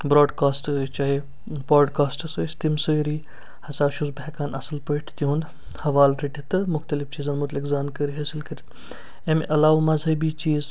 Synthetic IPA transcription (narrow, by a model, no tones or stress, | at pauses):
bɾoːɖkaːsʈt͡ʃaːɦi | bɾoːɖkaːsʈɐsəːjsʲt̪imsəɾiː | hɐsaːʃuzbɛkaːnɐsɐlpəʈʰt̪oũnd̪ | hɐʋaːlɾeʈit̪ɨmʊxt̪ɐlift͡ʃiːzɐnmʊt̪likzaːnkəɾiɦɐsilkəɾit̪ | emʔɐlaːwmɐzɦɐbiːt͡ʃiːz